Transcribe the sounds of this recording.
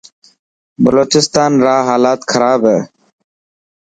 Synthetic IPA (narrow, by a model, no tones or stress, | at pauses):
bəloːt͡ʃɪst̪aːnɾaːɦaːlaːt̪kʰəɾaːbɦɛː